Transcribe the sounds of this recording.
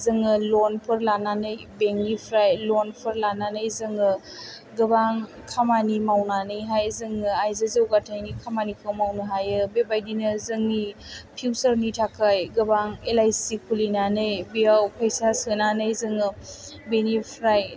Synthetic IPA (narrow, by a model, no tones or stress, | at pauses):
zɯŋɯlɔnpʰɯɾlananɯjbeŋnipʰɾajlɔnpʰɯɾlananɯjzɯŋɯ | ɡɯbaŋ | kʰamanimawnanɯjɦajzɯŋɯajzɯzɯwɡatʰajnikʰamanikʰɯwmawnɯɦajɯbebajdinɯzɯŋnipʰiwsəɾnitʰakʰajɡɯbaŋelajsikʰulinanɯjbiawpʰəjsasɯnanɯjzɯŋɯbenipʰɾaj